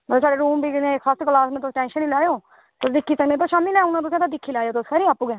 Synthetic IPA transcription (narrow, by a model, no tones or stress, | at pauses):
əsaːɖeːɾuːmbiːkɪnẽːaːst̪oːklaːsmɛ̃ːt̪ʊsʈɛ̃ːnʃəniːlaːeõː | t̪ʊsd̪ɪkʰːiːsə̃mɛ̃ːt̪ʊʃaːmilɛːʊnãːt̪ʊsẽːt̪ãːd̪ɪkʰːiːlaːjoːt̪ʊskʰɛɾiːaːpːuːɡɛː